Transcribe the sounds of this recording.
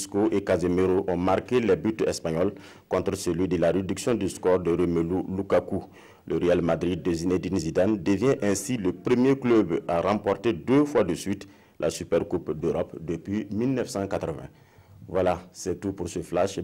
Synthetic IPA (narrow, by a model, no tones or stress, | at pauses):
skoʔekazemeɾoʔɔ̃maɾkelɛbyt̪ɛspaɲɔl | kɔ̃t̪ɾsəlɥidəlaɾed̪yksjɔ̃d̪yskɔɾd̪əɾømelulukaku | ləɾealmad̪ɾid̪̚ːezined̪inzidand̪əvjɛ̃ʔɛ̃siləpɾəmjekløbaɾãpɔɾt̪edøfwadəsɥit̪ | lʔa̰sypɛɾkupd̪øɾɔpd̪əpɥimilnɛfsãkat̪ɾəvɛ̰̃ | vwalasɛt̪upuɾsəflaʃ